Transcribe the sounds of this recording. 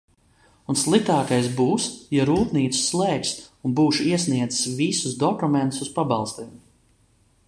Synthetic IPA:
unslˠik̚t̪aːkajsbuːsjaɾuːt̪niːt̪su̥sslˠɛːksunbuːʃiɛsniɛd̪zɨ̥svisusd̪ɔkumɛnt̪ususpabɑlˠst̪iːm

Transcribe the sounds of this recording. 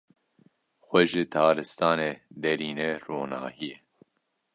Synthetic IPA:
xʷɛʒɨt̪ʰaːɾɨst̪aːneːd̪ɛɾiːnɛroːna̰ːhijɛ

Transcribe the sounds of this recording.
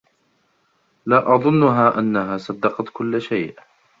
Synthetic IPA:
laːʔɑðˤʊnːʊɦaːʔanːaɦaːsˤɑd̪ːɑqɑt̪kʊlːʃajʔ

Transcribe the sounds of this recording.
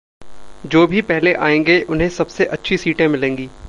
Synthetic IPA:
d͡ʒoːbʱipɛɦleʔaːẽːŋɡeʔʊnɦẽsɐbseʔɐtːʃʰisiːʈẽmɪlẽːŋɡiː

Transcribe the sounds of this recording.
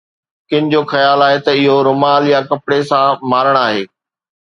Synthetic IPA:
kɪ̃nɪd͡ʑoːxɐjaːlaːɦet̪ɐɪɦoɾʊmaːljakɐpɽesãmaːɾəɽ̃aːɦeː

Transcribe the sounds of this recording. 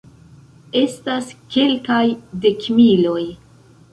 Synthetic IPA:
e̞staske̞lkajde̞kmilo̞j

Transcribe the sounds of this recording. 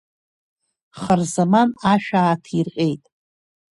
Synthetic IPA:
χərzamanaʃᶣaːtʰirqʲʼe̞jtʼ

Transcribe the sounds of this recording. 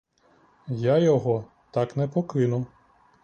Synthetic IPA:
jajɔɦɔ | t̪ɑknɛpɔkɪnʊ

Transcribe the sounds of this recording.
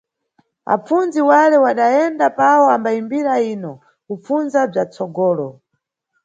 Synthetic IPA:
a̰p͡funziwalɛwaɗajɛndapawɔambaimbiɾaiːnɔ | kup͡funzab͡ʐat͡sɔɡɔːlɔ

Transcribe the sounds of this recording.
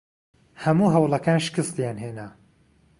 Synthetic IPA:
hɐmuːɦɐwlˠɐkaːnʃɪ̥kɨst̪jaːnɦeːna

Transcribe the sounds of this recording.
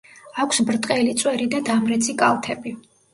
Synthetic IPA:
akʷʰsbɾt̪ʼqʼɛlit̪sʼwɛɾid̪ad̪amɾɛt̪sʰikʼalˠt̪ʰɛbi

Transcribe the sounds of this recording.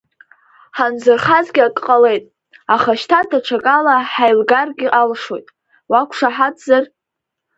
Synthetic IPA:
ħand͡zɨrχazɡʲɪakʼqʼale̞jtʼ | aχaʃtʰadaʈ͡ʂʰakʼalaħajlɡarɡʲɪʔalʂojtʼ | wakʷʰʂaħadzar

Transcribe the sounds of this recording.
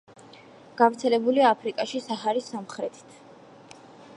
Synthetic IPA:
ɡ̥avɾt̪sʰɛlɛbuliaːpʰɾikʼaʃisaɦaɾisːamχɾɛt̪ʰi̥t̪ʰ

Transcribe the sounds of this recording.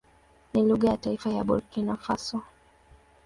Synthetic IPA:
niluɣajataifaja̰ɓṵɾkinafasɔ

